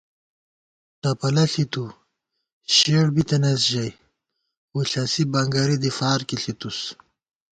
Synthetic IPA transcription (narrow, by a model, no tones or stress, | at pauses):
t̪apɐlɐɬit̪u | ɕeɽbit̪ɐnɐs̬ʒaj | wuɬasibaŋɡaɾid̪ifaːɾkiɬit̪us